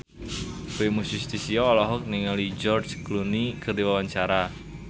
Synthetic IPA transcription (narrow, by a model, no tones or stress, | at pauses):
kemusust̪isiɔːlɔɦʊk̚niŋalid͡ʒɔrd͡ʒklunikərd̪iwawaɲt͡ʃaɾa